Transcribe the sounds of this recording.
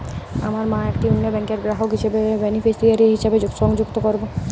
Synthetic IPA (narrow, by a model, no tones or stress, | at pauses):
a̰maɾmãɛkʈiunːobɛŋkeɾɡɾaɦokɦiʃebebenifʰisʈiaɾiɦiʃebed͡ʑuʃɔŋd͡ʑuɡt̪okoɾbo